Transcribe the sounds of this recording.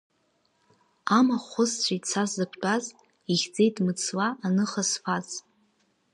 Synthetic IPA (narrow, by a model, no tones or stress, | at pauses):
amaχʷʊst͡ɕʷʰajt͡sʰazzɨpʷʰt͡pʼaz | iχʲd͡ze̞jtʼmɨt͡sʰwaanɨχasfʰaz